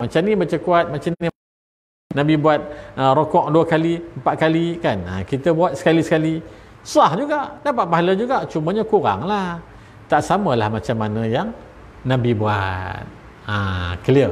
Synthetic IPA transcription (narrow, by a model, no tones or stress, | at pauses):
mat͡ʃamnibat͡ʃəkuat̪̚mat͡ʃani | nabibuat̪̚əɾokɔʔ̚duəkaliəmpaʔ̪̚kalikana̰kit̪əbuat̪̚sə̥kalisə̥kalisuahd͡ʒuɡaʔdapat̪̚baɦaləd͡ʒuɡaʔt͡ʃuməɲakuɾa̰ŋlah | t̪aʔsaməlahmat͡ʃamːanə̃jaŋ | nabibua̰t̪̚ | ə̰kəliə